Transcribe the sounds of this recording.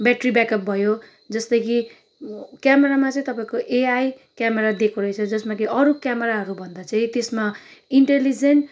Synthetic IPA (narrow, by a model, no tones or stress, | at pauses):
baʈribakʌp̚bʱʌjo | d͡zʌst̪ʌjki | kjameɾamat͡sʌ̃ĩt̪ʌpaĩkoʔeaj | kjameɾad̪ekʰuɾʌjt͡sʰʌd͡zʌsmakiʌɾukjameɾaɦʌɾubʱʌnd̪at͡sʌĩt̪esmaiɳʈelid͡zenʈ